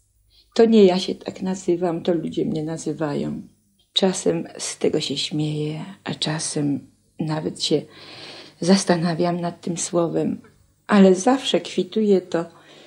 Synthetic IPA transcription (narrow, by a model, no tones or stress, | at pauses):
t̪ɔɲɛjaɕɛt̪ʰa̰knazɘvamt̪ɔlud͡ʑɛmɲɛnazɘvajɔ̰̃w̃ | t͡ʂasɛmst̪ɛɡɔɕɛɕmʲjejɛʔat͡ʂasɛm | navɛt̪ɕɛ | zast̪anavʲjamnat̪ːɘmswɔvɛm | ʔalɛzafʂɛkfʲit̪ujɛt̪ɔ